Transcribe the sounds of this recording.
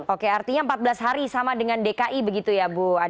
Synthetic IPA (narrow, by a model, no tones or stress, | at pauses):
okeart̪iɲampat̪̚bəlasɦaɾisamadəŋandekaʔibəɡit̪ujabʊa